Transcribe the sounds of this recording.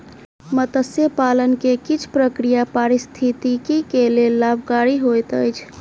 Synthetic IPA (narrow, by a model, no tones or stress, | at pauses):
mət̪əsjepalənkekit͡ʃʰpɾəkɾijapaɾist̪ʰit̪ikikelelːabʱkaɾiɦojt̪əjt͡ʃʰ